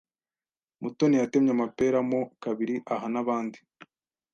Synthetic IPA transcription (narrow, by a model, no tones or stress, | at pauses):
mutonijate̞mɲamape̞ɾamo̞kaβiɾiʔaɦanaβaːndi